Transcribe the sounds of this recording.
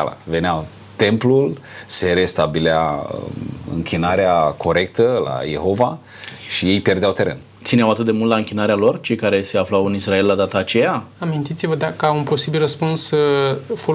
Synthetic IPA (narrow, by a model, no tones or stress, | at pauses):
la̰ve̞nea | t̪e̞mplul | se̞ɾe̞st̪abilea̰ | ɨ̰ŋkʲʰinaɾeakʰo̞ɾe̞k̚t̪əla̰je̞̰ho̞va | ʃije̞jpjerd̪eawt̪e̞ɾe̞̰n | t̪sineawat̪ɨt̪̚d̪emult̪laɨŋkʲinaɾealo̞rt͡ʃe̞jkaɾe̞se̞aflawɨnisrae̞lːad̪at̪aːt͡ʃe̞jaamint̪it̪sivəd̪akaunpo̞sibilrəspunsəfo